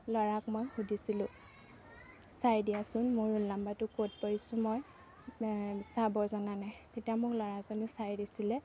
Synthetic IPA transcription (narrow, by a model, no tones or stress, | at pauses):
lɔɹakmɔjxudisilʊ̃ | sajdijasʊnmoɹunlambatʊkot̚poɹisʊ̃mɔj | sabɔzɔnanatetijamʊklɔɹazɔnɛsajdisilɛ